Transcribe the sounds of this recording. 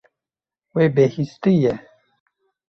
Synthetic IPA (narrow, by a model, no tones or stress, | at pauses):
weːbeːhist̪ɨjɛ